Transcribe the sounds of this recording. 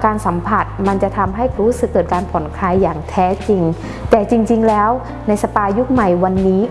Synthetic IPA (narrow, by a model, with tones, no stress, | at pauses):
kaː˧nsa˩˦mpʰa˨˩t̪̚ma˧nt͡ɕa˨˩t̪ʰa˧mɦa˥˩jɾuː˦˥sɯ˨˩kːɤː˨˩t̪̚kaː˧npʰɔ˩˦nkʰaː˧jːaː˨˩ŋt̪ʰɛː˦˥t͡ɕi˧ŋ | t̪ɛː˨˩t͡ɕi˧ŋt͡ɕi˧ŋlɛː˦˥w | na˧jsa˧paː˧ju˦˥k̚ma˨˩jwa˧nːiː˦˥